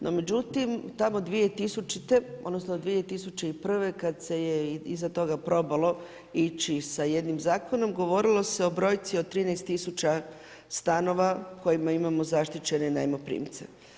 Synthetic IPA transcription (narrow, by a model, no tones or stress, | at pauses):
nʔo̞̰me̞d͡ʑut̪imt̪amo̞d̪ʋie̞t̪isut͡ʃit̪e̞od̪no̞snod̪ʋie̞t̪isut͡ʃeipr̩ʋe̞kad̪se̞jeizat̪o̞ɡapɾo̞balˠo̞ | it͡ʃisaje̞d̪nimzaːko̞no̞mɡo̞ʋo̞ɾilˠo̞se̞o̞bɾo̞jt̪sio̞t̪ɾiːnejst̪isut͡ʃa | st̪ano̞ʋako̞jimaimamo̞zaʃt̪it͡ɕe̞ne̞najmopɾḭːmt̪sḛ